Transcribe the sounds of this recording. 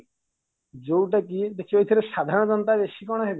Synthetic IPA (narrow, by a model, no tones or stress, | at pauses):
d͡ʒowʈak̬id̪ekʰiejt̪ʰɔɾesad̪ʱaɾɔɽ̃ɔd͡ʒɔnt̪abesikɔɽ̃ɔɦebe